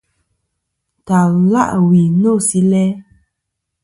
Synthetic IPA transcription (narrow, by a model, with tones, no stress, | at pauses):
ta˨la̰˦˨ʔwi˨no˦˨si˦lɛ˦